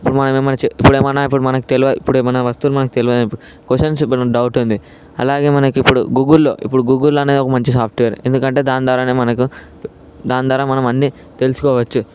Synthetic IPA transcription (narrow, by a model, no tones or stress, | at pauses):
ipːuɽumɐnɐmemɐnɐt͡ʃeipːuɽeːmɐnaːip̬ːuɽumɐnɐku̥t̪eliʋɐḭpːuɽeːmɐnɐʋɐst̪ulumɐnɐkut̪eliʋɐd̪anipːuɽu | koʃɐns̬ipːɐnɐmɖɐwʈund̪i | ɐ̰laːɡe̞ːmɐnɐkipːuɽṵɡuːɡulːo̞̰ːʔḭpːuɽuɡuːɡulːɐne̞ːd̪iɔkɐmɐɲt͡ʃisaːp̚ʰʈʋijɐɾe̞̰nd̪ukɐɳʈe̞ːd̪aːnd̪ʋaːɾaːneːmɐnɐku | d̪aːnd̪ʋaːɾaːmɐnɐmɐɳːi | t̪e̞lusu̥kɔːʋɐt͡ʃːu